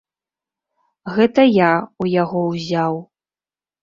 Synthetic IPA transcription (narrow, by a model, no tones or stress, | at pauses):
ɣɛt̪ɐjaujaɣɔwzʲaw